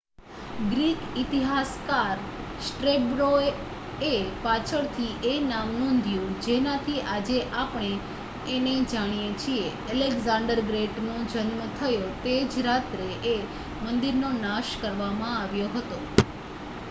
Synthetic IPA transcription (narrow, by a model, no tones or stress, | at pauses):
ɡɾikit̪iɦaskaɾsʈɾebɾoe | epat͡ʃʰəɭt̪ʰiʔenamnond̪ʱjũd͡ʒenat̪ʰiʔad͡ʒeʔapɽ̃eː | ned͡ʒaɽ̃ijet͡ʃʰie | əleɡzãɳɖəɾɡɾeʈnõd͡ʒənmət̪ʰəjot̪ed͡ʒɾat̪ɾeʔe | mənd̪iɾnonaʃkəɾʋamãaʋjoɦət̪o